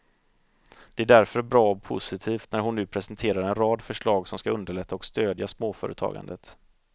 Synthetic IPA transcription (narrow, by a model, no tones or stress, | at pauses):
d̪̥ɛæɖæɾfœɾbɾɑːɔpʰʊ̰sɪt̪ʰiːft̪næɾɦʊnːʉ̟ːpʰɾɛsɛnt̪ʰeːɾaɾɛnɾɑːd̪fœʂɭɑːɡsɔmskaɵnd̪əɭɛt̪ʰːaɔkst̪øːd̪jasmoːfœ̰ːɾə̰t̪ʰɑ̰ːɡa̰nd̪ət̪